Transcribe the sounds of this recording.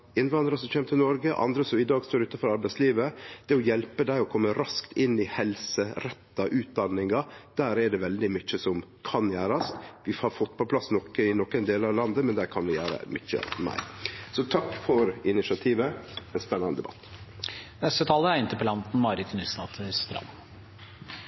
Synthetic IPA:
ɪnʋɑnd̪ɾəsɔmçeːmət̪ʰɪlnɔɾɡəʔɑ̰nd̪ɾəsɔmɪd̪ɑːɡst̪oːɾʉːt̪ɑfɔɾɑɾbæɪsliːʋəd̪̥ɛɔjɛlpəd̪æɪɔkʰɔmːəɾɑskt̪ʰɪnːɪhɛlsəɾɛt̪ːɑʔʉːt̪̚d̪ɑnːɪŋɑd̪̥æːɾɛɖɛʋɛld̪ɪmʏt͡ʃːəsɔmkʰɑnjæːɾɑst̪ʋɪhɑɾfɔt̪ːpʰɔpʰlɑsːnɔkːəɪnɔkːɛnd̪eːlɑʋlɑnd̪əmɛnd̪æːɾkʰɑnʋɪjæ̰ːɾə̰mʏ̰t͡ʃːə̰mæ̰ɪsɔt̪ʰɑkːfɔɾɪnɪsɪɑt̪ʰiːʋəɛnspɛnːɑnəd̪ɛ̰bɑ̰t̪ːnɛst̪ət̪ʰɑːləæɾɪnt̪əpɔlɑnt̪n̩mɑɾəd̪t̪ʰʊnɪsnɑt̪ʰəst̪ɾɑ̰m

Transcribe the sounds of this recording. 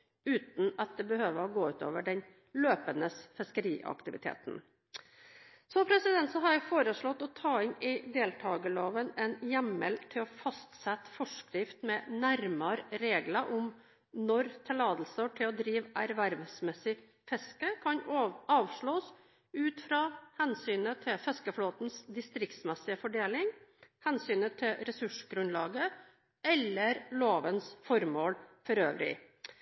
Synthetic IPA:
ʉːt̪n̩ɑt̪̚d̪ɛbəhøːʋəɾɔɡoːʉːt̪ʰo̰ːʋəɖɛn | løːpənəsfɛskəɾḭːʔɑ̰kt̪ɪʋɪ̰t̪ʰḛːt̪n | sɔpʰɾɛsɪd̪ɛnt̪sɔɦɑɾjæfoːɾəʂɭɔt̪ːɔt̪ʰɑːɪnɪd̪eːlt̪ʰɑːɡəloːʋənɛnjæmə̰lt̪ʰɪlɔfɑst̪sɛt̪ːfɔʂkɾɪft̪mɛnæɾmɑɾɾeːɡləʔʊm | nɔɾt̪ʰɛlɑːd̪l̩səɔʈʰɪlɔd̪ɾiːʋæɾʋæɾʋsmɛsːɪ | fɛskəkʰɑnoɑːʋʂɭoːs | ʉːt̪fɾɑːhɛnsyːnət̪ʰɪfɛskəfloːt̪nsd̪ɪst̪ɾɪkt̪smɛsɪəfɔɖeːlɪŋhɛnsyːnət̪ʰɪlɾɛsʉʂɡɾʉnlɑːɡə | ɛlːəɾloːʋənsfɔɾmoːlfɔɾø̰ːʋɾɪ̰

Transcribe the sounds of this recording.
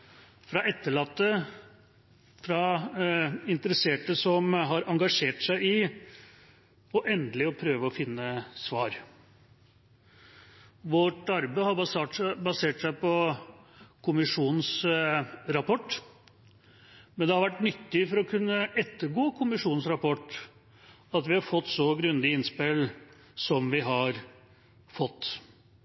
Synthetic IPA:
fɾɑʔɛt̪ːəɭɑt̪ːə | fɾɑ | ɪnt̪əɾəseːʈəsɔmɦɑɾʔɑŋɡɑʂeːʈsæɪɪ | ɔʔɛnd̪əlɪɔpʰɾøːʋəɔfɪnːəsʋɑːɾ | ʋɔʈɑɾbæɪhɑbɑseːʈsæɪpɔ | kʰʊmɪʂuːnn̩s | ɾɑpʰɔʈː | mɛnd̪ɛhɑɾʋæʈːnʏt̪ːɪfɔɾɔkʰʉnːəʔɛt̪ːəɾɡoːkʰʊmɪʂuːn̩sɾɑpɔʈ | ɑt̪ʋɪhɑɾfɔt̪ːsɔɡɾʉnd̪ɪɪnspɪl | sɔmʋɪɦɑɾ | fɔt̪ː

